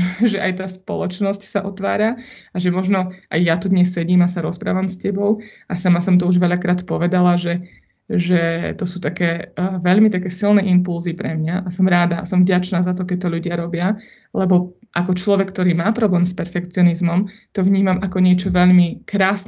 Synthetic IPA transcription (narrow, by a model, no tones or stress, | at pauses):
ʒɛʔajt̪aːspɔ̰lˠɔt͡ʃnɔscsaʔɔt̪ʋaːɾaaʒɛmɔʒnɔʔajjat̪ud̪ɲɛssɛɟiːmasaɾɔspɾa̰ːʋamscɛbɔʊʔasamasɔmt̪ɔuʒʋɛʎakɾaːt̪pɔʋɛd̪alaʒɛ | ʒɛt̪ɔsuːt̪akɛːʋɛʎmit̪akɛːsilˠnɛːʔimpulzipɾɛmɲaʔasɔmɾaːd̪a̰ːsɔmvɟat͡ʃnaːzat̪ɔkɛc̚t̪ɔʎuɟɪaɾɔbɪa | lɛbɔ | ʔakɔt͡ʃlɔʋɛkːt̪ɔɾiːmaːpɾɔblɛːmspɛɾfɛkt͡sɪɔnizmɔmt̪ɔʋɲiːmamakɔɲɪɛt͡ʃɔʋɛʎmikɾaːsn